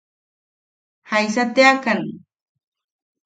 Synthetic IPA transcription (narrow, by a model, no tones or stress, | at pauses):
hajsat̪eakaŋ